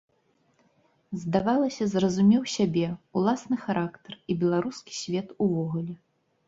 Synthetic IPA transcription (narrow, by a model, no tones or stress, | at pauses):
zd̪avalˠɐsʲɐzrɐzumʲɛwsʲabʲɛulˠasnɨxaɾakt̪ɐribʲɛlˠaɾuskʲi̥sʲvʲɛt̪uvɔɣulʲɛ